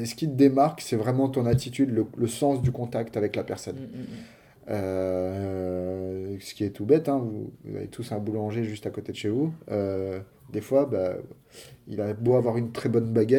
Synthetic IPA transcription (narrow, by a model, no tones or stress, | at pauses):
sə̥kʲid̪emaʁksɛvʁɛmɑ̃t̪ɔ̃nat̪it̪yd̪lələsɑ̃sd̪ykɔ̃t̪akt̪avɛklapɛʁsɔn | ø | sə̥kʲiɛt̪ʰubɛt̪ɛ̃vuvṵza̰lḛt̪ʰusɛ̃bulɑ̃ʒeʒyst̪akot̪ed̪əʃevuø | d̪efwaba | ḭlaboavwaʁynt̪χɛbɔnbaɡʲɛ